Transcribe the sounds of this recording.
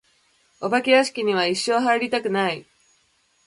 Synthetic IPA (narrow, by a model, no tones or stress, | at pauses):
o̞bakʲiaɕi̥kʲiɲ̟iβaiɕːo̞ːɦaiɾʲit̪akɯ̟nai